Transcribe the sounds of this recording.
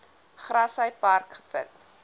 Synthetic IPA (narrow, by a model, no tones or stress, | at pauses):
χrɐsəjpɐrkχə̥fə̰t